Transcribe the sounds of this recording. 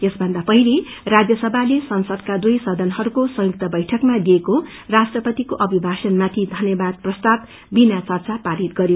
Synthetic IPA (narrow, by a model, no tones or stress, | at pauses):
esbʱʌnd̪apʌɦĩle | rad͡zjʌsʌbʱalesʌnsʌd̪kad̪ujsʌd̪ʱʌnhʌɾukosʌ̃juk̚t̪ʌbʌjʈʰʌkmad̪ieko | rasʈrʌpʌt̪ikoʔʌbʱibʱasʌnmat̪ʰid̪ʱʌnjʌbad̪̚prʌst̪ab | binat͡sʌrt͡sapaɾit̪̚ɡʌɾi